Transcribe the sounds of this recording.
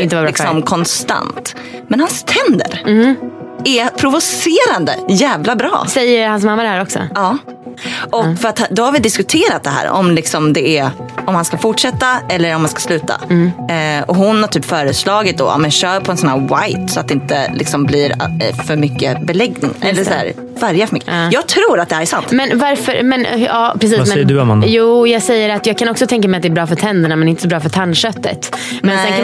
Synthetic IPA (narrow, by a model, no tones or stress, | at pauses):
ɪnt̪əɪksɔmkʰɔnst̪a̰nt̪ | mɛnhanst̪ʰɛnd̪ə̰ɾ | ɛpʰɾʊvʊseːɾand̪ə̰jæːvlabɾɑ̰ːsɛjːəɾhansmamːad̪ɛhæːɾɔksɔ̰ɑː | ʔɔkfœɾat̪hd̪ɔhaɾvɪd̪ɪskɵt̪ʰeːɾat̪̚d̪ɛɦæ̰ːɾɔ̰mlɪksɔmd̪ɛɛɔmhanskafʊʈʂɛt̪ːaɛlːəɾɔmhanskḁslʉ̟ːt̪a̰ | ɔhʊnhaɾʈʰyːpːfœːɾəslɑːɡɪt̪̚d̪ɔ̰a̰mɛnɕœːɾpʰɔɛnsɔnæːɾwajt̪sɔat̪̚d̪ɛɪnt̪ə̰lɪksɔmbliɾfœɾmʏkːəbɛlɛɡnɪŋɛlːəɾsæ̰ːɾ | væɾjafœɾmʏkːəjɑːɡ̚t̪ʰɾuːɾat̪̚d̪ɛhæːɾæsant̪mɛnvaɾfœ̰ɾmɛnɑːpʰɾɛs̬iːssd̪juːjɑːɡsɛjːəɾat̪jɑːɡ̚kʰanɔksɔt̪ʰɛŋkamɛɪjat̪d̪ɛːbɾɑːfœʈʰɛnd̪əɳamɛnɛɪnt̪əsɔbɾɑːfœʈʰanːʂœt̪ːə̰t̪mɛnɛɛ